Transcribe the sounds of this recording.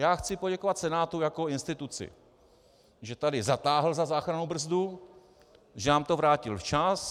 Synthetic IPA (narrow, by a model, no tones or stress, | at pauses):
jaːxt͡sɪpo̞ɟɛko̞vat̪sɛnaːt̪ujako̞ɪnst̪ɪt̪ut͡sɪ̰ | ʒɛt̪adɪzat̪aːɦl̩zazaːxɾanubr̩zdu | ʒɛnaːmt̪ovɾaːcɪlft͡ʃas